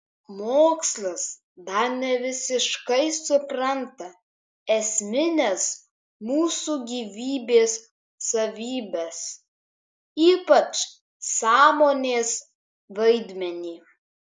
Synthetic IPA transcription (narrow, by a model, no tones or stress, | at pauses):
moːkslˠɐs | d̪ɐɾnʲɛʋʲɪsʲɪʃkɐɪsʊpɾɐnt̪ɐ | ɛsʲmʲɪnʲɛs | muːsuːɡʲiːʋʲiːbʲeːsː | ɐʋʲiːbʲɛs | iːpɐt͡ʃ | sɑːmoːnʲeːs | ʋɐɪd̪ʲmʲɛnʲiː